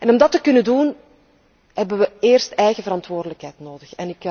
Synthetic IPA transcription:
ɛnɔmdɑtəkʏnədun | hɛbəʋəeːrstɛjɣəvəɾɑntʋoːrdələkɦɛjtnoːdəxɛnɪk

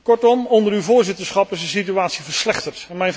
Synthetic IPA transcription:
kɔɹtɔmɔndəɾywvʊːɹzɪtəɹsχɑpɪsənsityaːtsivəɹslɛχtəɹtɛnmɛjn

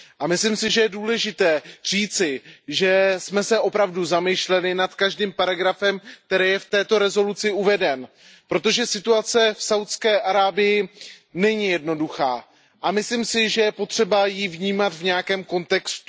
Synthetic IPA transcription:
ʔamɪslimsɪʒɛjɛduːlɛʒɪt̪ɛːr̝̥iːt͡sɪʒɛsmɛsɛʔo̞pɾavduzamɪʃlɛnɪnat̪kaʒdiːmpaɾaɡɾafɛmk̚t̪ɛɾɛːjɛft̪ɛːt̪o̞ɾɛzo̞lut͡sɪʔuvɛdɛn | pɾo̞t̪o̞ʒɛsɪt̪uat͡sɛfsawt̪skɛːʔaɾaːbɪjɪnɛɲɪjɛdno̞duxaː | ʔamɪslimsɪʒɛjɛpo̞t̪r̝̥ɛbajivɲiːmat̪vɲɛjakɛːmko̞nt̪ɛkst̪

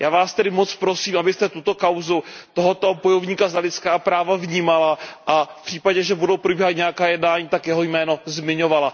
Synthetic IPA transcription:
jʔaːvaːst̪ɛdɪmot͡spɾo̞siːmʔabɪst̪ɛt̪ut̪o̞kawzut̪oɦot̪obojovɲiːkazalɪt͡skaːpɾaːvavɲiːmalaʔafpr̥iːpaɟɛʒɛbudowpɾobiːɦat̪ɲɛjakaːjɛdnaːɲiːt̪akjɛɦo̞jmɛːno̞zmɪɲo̞vala

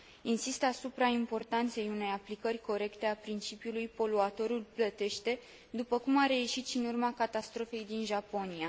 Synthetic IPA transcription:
insist̪asupɾaimpo̞rt̪ant̪se̞june̞japlikərʲko̞ɾe̞kt̪e̞apɾint͡ʃipjulujpo̞luat̪o̞ɾulplət̪e̞ʃt̪e̞ | d̪upəkumaɾe̞jeʃit̪ʃinurmakat̪ast̪ɾo̞fe̞jd̪inʒapo̞nia

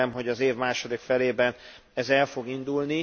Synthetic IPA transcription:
ɛmɦo̞ɟɒzeːvmaːʃo̞d̪ikfɛleːbɛn | ɛzɛlfo̞ɡind̪ulni

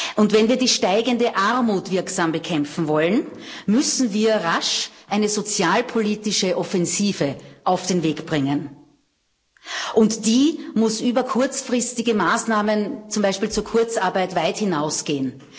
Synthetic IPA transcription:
ʔʊntvɛnviːɐdiːʃtaɪɡəndəʔaʁmuːtv̥ɪɐksaːmbəkʰɛmp͡fn̩vɔlənmʏsn̩viːɐʁaʃʔæɪnəzot͡sjaːlpʰoliːtɪʃəʔɔfɛnziːvəʔaʊfd̥eːnveːkb̥ʁɪŋən | ʔʊntd̥iːmʊsʔyːbɐkʰʊɐt͡sfʁɪstɪɡəmaːsnaːmənt͡sʊmbæɪʃpiːlt͡suːɐkʰʊɐt͡saɐbæɪtvaɪthɪnaʊsɡ̥eːən

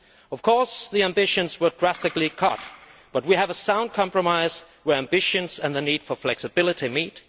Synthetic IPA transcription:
ʌv̥kʰɔɹsðiæ̃mbɪʃɨ̃nzwə˞dɹæstɨklikʰʌ̰t̚b̥ʌt̚wiɨvəsãʊ̃nd̚kʰɑ̃mpɹəmaɪz̥ | wə˞æ̃mbɪʃɨ̃nzɨ̃nðɨnid̥fə˞flɛksɨbɪlˠɨɾimit

